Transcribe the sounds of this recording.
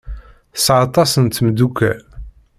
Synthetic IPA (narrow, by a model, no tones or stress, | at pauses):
sʕɑt̪ˤɑsənt̪md̪ukːæ